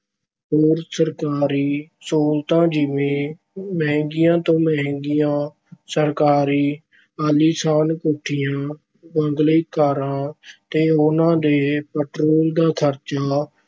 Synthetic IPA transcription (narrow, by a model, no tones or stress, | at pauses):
ɦoːɾsəɾkaːɾiːsoːlt̪ãːd͡ʒɪʋẽː | məɦɛ̃ŋɡɪjãːt̪õːməɦŋɡɪjãː | səɾkaːɾiː | aːliːsaːnkoːʈʰijãː | bəŋɡleːkaːɾãːt̪eːʊnãːd̪eːpəʈɾoːld̪aːt̪ʰəɾt͡ʃaː